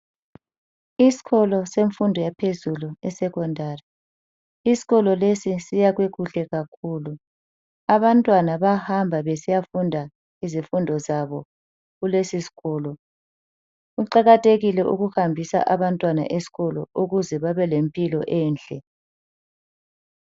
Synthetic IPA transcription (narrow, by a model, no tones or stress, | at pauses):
isi̥ɣɔlɔseɱfundʱɔjapʰezuluɛsɛkɔndʱaːrɛ | isi̥ɣɔlɔlesisijaɣweɣuɬɛɣakʰuːlu | aβantʼwanaβahambʱaβesijafundʱa | izifundʱɔzaβɔ | ɣulesisi̥ɣɔːlɔ | ɣuǃaɣatʼeɣilɛʔṵɣuhambʱisa̰ʔaβantʼwana̰ʔesi̥ɣɔlɔ̰uɣuzɛβaβɛlempʼilɔ̰ʔɛːnt͡ɬʼɛ